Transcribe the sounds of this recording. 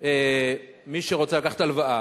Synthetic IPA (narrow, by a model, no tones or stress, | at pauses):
e | miʃeʁot͡selakaχḁt̪alvaʔa